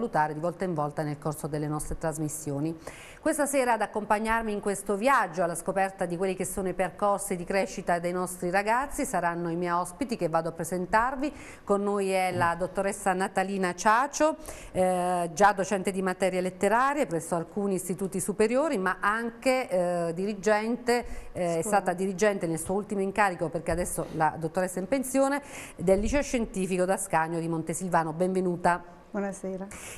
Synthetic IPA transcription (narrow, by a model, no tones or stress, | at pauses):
alut̪aːɾed̪ivɔlt̪aiɱvɔlt̪anelkorsod̪elːenɔst̪ɾet̪ɾazmisːjoːni | kwest̪asɛːɾaːd̪akːompaɲːarmiːŋkwest̪ovjad͡ʒːoalːaskopɛrt̪ad̪ikwelːikesːoːnoiperkɔrsid̪ikɾɛːʃːit̪ad̪ejnɔst̪ɾiɾaɡat̪sːisaɾanːoimɛjɔspit̪ik̟evːaːd̪oapːɾezent̪arvi | konːojɛlad̪ot̪ːoɾesːanat̪aliːnat͡ʃaːt͡ʃo | d͡ʒad̪ːot͡ʃɛnt̪ed̪imat̪ɛːɾjelet̪ːeɾaːɾjepɾɛsːoalkuːniːst̪it̪uːt̪isupeɾjoːɾimaʔaŋked̪iɾid͡ʒɛnt̪eɛst̪aːt̪ad̪iɾid͡ʒɛnt̪enelsuːoult̪imoiŋkaːɾikoperk̟ead̪ɛsːola̰d̪ot̪ːoɾesːaimpensjoːne | d̪elːit͡ʃoʃːent̪iːfikod̪askaɲːod̪imont̪esilvaːnobɛɱvenuːt̪a | wɔnaseːɾa